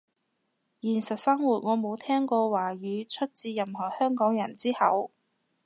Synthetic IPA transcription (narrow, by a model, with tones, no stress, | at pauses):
jiː˨˩nsɐ˨t̚sɐ˥ŋwuː˨˩t̚ŋɔː˨˧mo˨˧wt̪ʰɛː˥ŋkɔː˧waː˨˩ɥyː˨˧t͡ʃʰɵ˥t̚t͡siː˧jɐ˨mhɔː˨˩hœː˥ŋkɔː˨˥ŋjɐ˨˩nt͡siː˥hɐ̰˨˥w